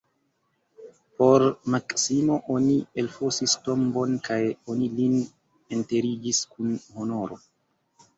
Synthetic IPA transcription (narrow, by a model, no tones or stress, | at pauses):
po̞ɾmaksimo̞ʔonielfosisto̞mbo̞nkajo̞nilin | ente̞ɾid͡ʒiskunho̞no̞ɾo̞̰